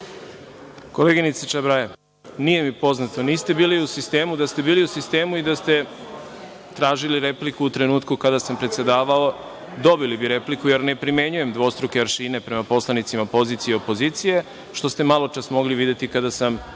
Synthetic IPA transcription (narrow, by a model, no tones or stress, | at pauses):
ko̞leːɡinit̪set͡ʃabɾaje | nije̞mipo̞znat̪oniːst̪e̞biːliusist̪eːmud̪ast̪e̞biːliusist̪e̞ːmuid̪ast̪e̞ | t̪ɾaːʒiliɾe̞plikuut̪ɾe̞nuːt̪kukad̪asampɾet̪se̞d̪aːʋao̞ | d̪o̞bilibiɾe̞plikuje̞ɾne̞pɾime̞ɲuje̞md̪ʋo̞ːst̪ɾokeʋaɾʃiːne̞pɾe̞mapo̞slˠanit̪simapo̞ziːt̪sijeo̞po̞ziːt̪sije̞ | ʃt̪o̞st̪e̞malˠo̞t͡ʃasmo̞ɡliʋid̪e̞t̪ikad̪asam